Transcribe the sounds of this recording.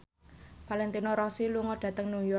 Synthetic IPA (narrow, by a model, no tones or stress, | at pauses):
palɛnt̪inoɾɔsiluŋɔɖ̥ä̤t̪əŋnujɔ